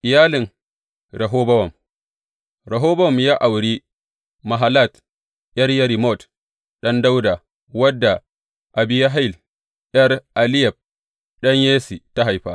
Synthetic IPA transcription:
ʔɪ˨jaː˦lɪ˨ŋ | ɾɐ˨ɦoː˦bɐ˦wɐ˨m | ɾɐ˨ɦoː˦bɐ˦wɔ˨mjaː˦ʔa˨wɽi˦ | ma˨ɦa˨la˦˨t | jʲɐ˦rjɐ˦ɾi˨mɔ˦˨t | ɗɐ˦nda˦wda˨ | wɐ˦dːa˨ | ʔa˨bɪ˦ja˦ɦa˦jl | ʔɐ˦rʔa˨lɪ˦jɛ˨b̚ | ɗɐ˦ɲjeː˦si˨ta˦ɦa˨jɸa̰˦

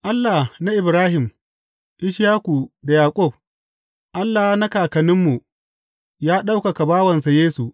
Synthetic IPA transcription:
ʔa˦lːa˨na˦ʔɪ˨bɾaː˦hɪ˨m | ʔɪ˦ʃjaː˦kʷu˨da˨jaː˨kʷʼʊ˦˨b̚ | ʔa˦lːa˨˦na˦kaː˨kɐ˨nɪ˦mːu˨ | jaː˦ɗa˦wka˨ka˨baː˦wɐ˨nsa˨jeː˦su˨

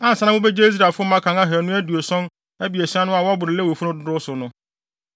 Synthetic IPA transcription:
ã˦n̩˨sã˦nã˦mʊ̃˦bɛ˦d͡ʑe˦i˦s̬ɾa˨fʊ˦ɔ˦mã˦kʰã˨ŋã˦ɦæ˨nʊ̃˦æ˦du˨o˨sɔ̃˦n | æ˦bi˨æ˨si˦a˦nʊ̃˦a˨wɔ˦bʊ˨ɾɪ˨lɛ˦wo˨fu˦nʊ̃˦dʊ˦dʊ˦sʊ˨nʊ̃˦

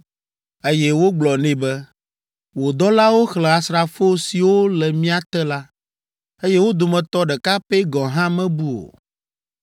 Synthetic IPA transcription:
e˦jɛ˦wo˦ɡ͡blɔ˨nɛ̃˨bɛ˦ | wo˨d̪ɔ˦la˦wo˦xlɛ̃˨a˨sɾa˨fo˦si˨wo˦lɛ˨mĩ˦a˨t̪ɛ˦la˦ | e˦jɛ˦wo˦d̪o˨mɛ̃˨t̪ɔ˦ɖɛ˨ka˦pɛ˦ɡɔ̃˨ɦã˦mɛ̃˦bu˦o̰˨

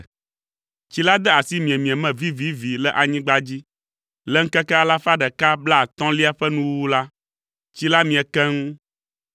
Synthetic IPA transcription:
t͡ɕi˦la˦d̪ɛ˦a˨si˦mĩ˨ɛ˨mĩ˨ɛ̃˨mɛ̃˨vi˦vi˦vi˨lɛ˦ʔa˨ɲĩ˦ɡ͡ba˦d͡ʑi˦ | lɛ˦ŋ̩˦kɛ˦kɛ˦a˨la˦fa˦ɖɛ˨ka˦bla˦˨t̪ɔ̃˦li˦a˦ɸɛ˦nũ˦wu˦la˦ | t͡ɕi˦la˦mĩ˨ɛ˨kɛ˦ŋũ˦

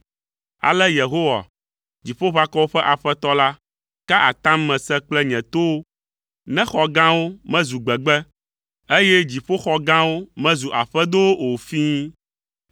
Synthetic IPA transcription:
a̰˨lɛ˦je˨ɦo˦wa̰˨ | d͡ʑi˨ɸo˦βa˦kɔ˦wo˦ɸɛ˦ʔa˨ɸɛ˦t̪ɔ˦la˦ | ka˦ʔa̰˨t̪ã˦mːɛ̃˨sɛ˦k͡plɛ˦ɲɛ̃˨t̪o˦wo˦ | nɛ̃˦xɔ˨ɡã˦wo˦mɛ̃˦zu˨ɡ͡bɛ˨ɡ͡bɛ˦ | e˦jɛ˦d͡ʑi˨ɸo˦xɔ˨ɡã˦wo˦mɛ̃˦zu˨ʔa˨ɸɛ˦d̪o˦wo˦o˨fiː˦

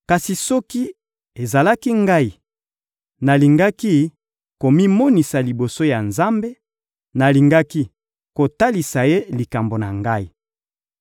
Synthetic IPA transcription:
ka˨si˨sɔ˦ki˦ | e˨za˨la˦ki˦ŋɡa˦i˨ | na˨li˨ŋɡa˦ki˦ | ko˨mi˦mɔ˦ni˨sa˨li˨bo˨so˦ja˨nza˦mbe˦ | na˨li˨ŋɡa˦ki˦ | ko˨ta˦li˨sa˨je˦li˨ka˨mbo˨na˨ŋɡa˦i˦˨

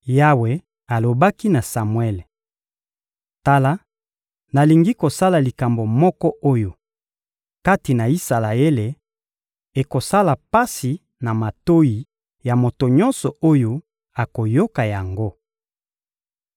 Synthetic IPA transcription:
ja˦we˨ | a˨lo˨ba˦ki˦na˨sa˨mwɛ˦le˨ | ta˦la˦ | na˨li˨ŋɡi˦ko˨sa˦la˨li˨ka˨mbo˨mɔ˦kɔ˦ʔo˦jo˨ | ka˦ti˨na˨i˦sa˨la˨e˦le˨ | e˨ko˨sa˦la˨pa˦si˨ | na˨ma˨to˦ji˨ | ja˨mo˨to˨ɲɔ˦nsɔ˨o˦jo˦ | a˨ko˨jo˦ka˨ja˨ŋɡo˦

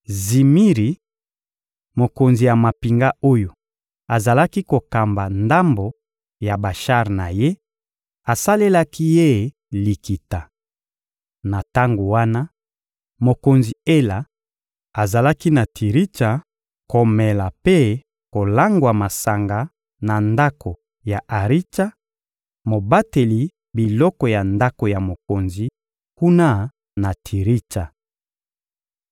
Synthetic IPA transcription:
zi˨mi˦ʁi˨ | mo˨ko˨nzi˨ja˨ma˨pi˨ŋɡa˦o˦jo˨ | a˨za˨la˦ki˦ko˨ka˨mba˨nda˦mbo˨ | ja˨ba˨ʃa˦ʁna˨je˦ | a˨sa˦le˦la˦ki˦je˦˨ | li˨ki˨ta˨ | na˨ta˦ŋɡo˨wa˦na˦ | mo˨ko˨nzi˨e˦la˨ | a˨za˨la˦ki˦na˨tʰi˨ʁi˦ta˨ | ko˨mɛ˨la˨pe˦ | ko˨la˦ŋɡwa˨ma˨sa˨ŋɡa˨ | na˨nda˦kʰo˨ | ja˨ʔa˨ʁi˦ta˦ | mo˨ba˦te˨li˨ | bi˨lɔ˦kɔ˨ja˨nda˦ko˨ja˨mo˨ko˨nzi˨ | ku˦na˦ | na˨tʰi˨ʁi˦ta˨

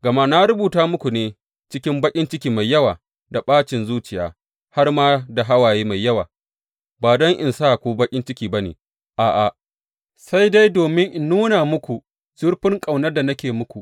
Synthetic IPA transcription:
ɡɐ˨ma˦na˦ɾʊ˦buː˨taː˦mʊ˦kʷu˨neː˨ | t͡ʃɪ˦kʲɪ˦mbɐ˦kʲʼɪ˦nt͡ʃɪ˦kʲiː˨ma˨jːɐ˦waː˨ | da˨ɓaː˦t͡ʃɪ˨nzuː˦t͡ʃɪ˨ja̰ː˨ | ha˦rmaː˦da˨ɦa˦waː˨jeː˦ma˨jːɐ˦waː˨ | baː˨dɔ˦ŋʔɪ̰˨nsaː˦˨kʷu˦bɐ˦kʲʼɪ˦nt͡ʃɪ˦kʲiː˨ba˦nḛː˨ | ʔaː˨ʔa˨ | sa˦jda˦jdoː˨mɪ˦ŋʔɪ˨nːuː˦naː˨mʊ˦kʷu˨ | z̥ʊ˦ɽɸɪ˦ŋkʼa˨wnɐ˦rda˨nɐ˦kʲeː˨mʊ˦kʷu˨ʔ

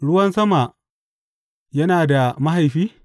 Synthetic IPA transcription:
ɽʊ˦wɐ˦nsɐ˦ma˨ʔ | jɐ˦naː˨da˨ma˦ɦa˨jɸiː˦

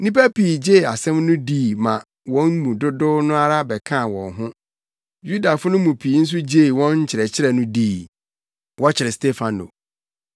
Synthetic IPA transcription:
nĩ˦pæ˦pʰiː˨d͡ʑe˦˨a˨sɛ̃˦mnʊ̃˦diː˦˨mã˨ | wɔ̃˦nmũ˨dʊ˦dʊ˦nʊ̃˦a˦ɾa˦bɛ˨kʰã˦˨wɔ̰̃˨nɦʊ̃˦ | ju˦da˨fʊ˦nʊ̃˦mũ˨pʰi˨˦n̩˦s̬ʊ˦d͡ʑe˦˨wɔ̃˦ɲ̩˦t͡ɕʰɪ˨ɾɛ˨t͡ɕʰɪ˦ɾɛ˨nʊ̃˦diː˦˨ | wɔ˦t͡ɕʰɪ˨ɾɪ˨ste˦fã˨no̰˨

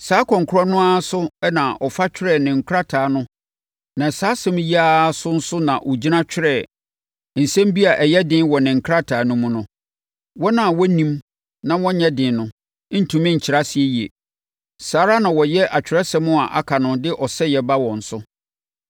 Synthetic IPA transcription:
saː˨˦kʰɔ̃˨ŋ˨kʰʊ˦ɾɔ˦nʊ̃˦a˦sʊ˦ɛ˦nã˨ʔɔ˨fa˦t͡ɕʰᶣɪ˦ɾɛ˦˨nɪ̃˨ŋ̩˨kʰʊ˦ɾa˦tʰaː˨nʊ̃˦ | nã˨saː˦sɛ̃˦m˦ja˦sʊ˦n̩˦sʊ˦nã˨ʔɔ˨d͡ʑi˦nã˦t͡ɕᶣɪ˦ɾɛ˦˨ | n̩˨sɛ̃˦m˦bi˦a˨ʔɛ˨jɛ˦dɪ̃˦nwɔ˨nɪ̃˨ŋ̩˨kʰɾa˦tʰa˨nʊ̃˦mʊ̃˦nʊ̃˦ | wɔ˦nã˨wɔ˦nĩ˦m | nã˦wɔ̃˦ɲɛ̃˦dɪ̃˨nʊ̃˨˦ | n̩˨tʰũ˨mɪ̃˦ɲ̩˨t͡ɕʰɪ˨ɾa˦sɪ˨e˦ji˨ḛ˨ | saː˨˦ɾa˦nã˨wɔ˨jɛ˦ʔa˨t͡ɕᶣɾɛ˦sɛ˦mʊ̃˦a˨ʔa̰˨kʰa˨nʊ̃˨dɪ˦ʔɔ˨sɛ˦jɛ˨ba˦wɔ̃˨n̩˨sʊ˦

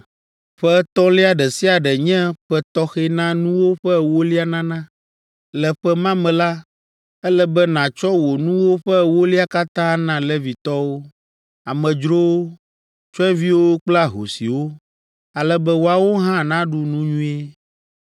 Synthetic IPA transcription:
ɸɛ˦t̪ɔ˦li˦a˨ɖɛ˨si˦a˨ɖɛ˨ɲɛ̃˦ɸɛ˦t̪ɔ˦xɛ˦nã˦nũ˦wo˦ɸɛ˦wo˦li˦a˦nã˦nã˦ | lɛ˨ɸɛ˦mã˦mɛ̃˨la˦ | ɛ˦lɛ˦bɛ˦nã˨t͡ʃɔ˦wo˨nũ˦wo˦ɸɛ˦wo˦li˦a˦ka˦t̪ã˦nã˦˨lɛ˦vi˨t̪ɔ˦wo˦ | a˨mɛ̃˨d͡ʒɾo˦o˦ | t͡ʃɔ˦ɛ˦vi˦wo˦k͡pla˦ɦo̰˨sḭ˨wo˦ | a˨lɛ˦bɛ˦wo˨a˨wo˦ɦã˦nã˦ɖu˦nũ˦ɲũ˦e˦

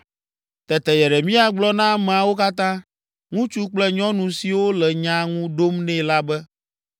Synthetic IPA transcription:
t̪ɛ˨t̪ɛ˨jɛ˨ɖɛ˨mĩ˦a˨ɡ͡blɔ˦nã˦mɛ̃˨a˨wo˦ka˦t̪ã˦ | ŋũ˦t͡ʃu˦k͡plɛ˦ɲɔ̃˦nũ˨si˨wo˦lɛ˨ɲã˦ŋũ˦ɖo˦mnɛ̃˦la˦bɛ˦

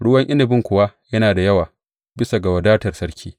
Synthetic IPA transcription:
ɽʊ˦wɐ˦ŋʔɪ˦nɪ˨bɪ˦ŋkʷʊ˨wa˦jɐ˦naː˨da˨jɐ˦waː˨ | bɪ˦sa˨ɡa˨wɐ˨daː˦tɐ˨rsɐ˦ɽkʲʰiː˦

